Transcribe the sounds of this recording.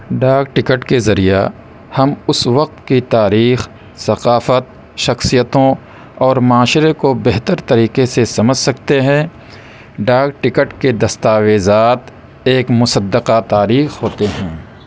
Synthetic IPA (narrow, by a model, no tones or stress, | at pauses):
ɖaːɡʈɪkəʈkezɐɾija̰ | hɐmʊsʋɐq̚t̪kit̪aːɾiːx | sɐqaːfət̪̚ | ʃɐxsijət̪õ | ɔːɾmaːʃɾekobɛɦt̪əɾt̪ɐɾiːqesesɐməd͡ʒʱsɐkt̪eɦɛ̃ː | ɖaːɡ̚ʈɪkəʈked̪ɐst̪aːʋeːzaːt̪ | eːkmʊsəd̪ːəqat̪aːɾiːxɦoːt̪eɦɛ̃ː